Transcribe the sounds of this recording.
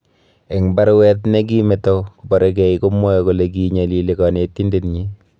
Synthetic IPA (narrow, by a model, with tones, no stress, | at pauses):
e˨ŋba˦ɾwɛ˦tne˦k̬i˦me˨to˦kubɔ˨ɾek̬ɛ˨iko˦mɔ˦jɔku˨le˨ki˨ɲa˨li˨likɔ˨ne˨tːi˦ndetɲi˦